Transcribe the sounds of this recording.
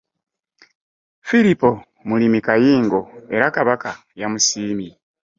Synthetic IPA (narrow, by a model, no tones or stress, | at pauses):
filipo̞ | mulimikajiːŋɡo̞e̞ɾakaβaka | jamusiːmi